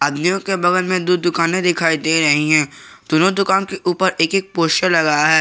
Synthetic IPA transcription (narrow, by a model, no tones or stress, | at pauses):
əd̪mijõkebɐɣəlmẽd̪ud̪̚d̪ʊkaːnẽd̪ɪkʰaːid̪eɾɐɦiɦɛ̃ː | d̪̥onod̪ʊkaːnkeʔuːpəɾʔeːkeːk̚poːʃʈəɾlɐɡajaɦɛː